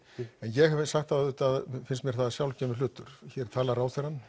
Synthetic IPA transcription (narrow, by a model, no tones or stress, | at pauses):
ɛnjɛɣhavɪsaxt̪θaðʏːt̪aðfɪnst̪mjɛɾ̥θaðasjawlcɛːmɪɾlʏːt̪ʏɾ̥çɛɾ̥t̪ʰaːlaɾaːwt̪ɛɾanː